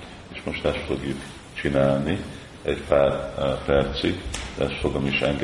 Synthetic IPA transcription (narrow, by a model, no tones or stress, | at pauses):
eːʃmo̞ʃt̪ɛst̪fo̞ɡjuk | t͡ʃinaːlni | ɛcpaːrpɛrt̪siɡd̪ɛ̰ɛst̪foɡomiʃɛŋɡ